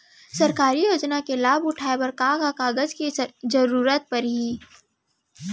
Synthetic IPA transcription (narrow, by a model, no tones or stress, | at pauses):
sɐɾkaːɾijoːd͡ʒnakelaːbʊʈʰaːepɐɾkãːɡakaːɡəd͡ʒkizəɾuːɾət̪̚pɐɾɦiː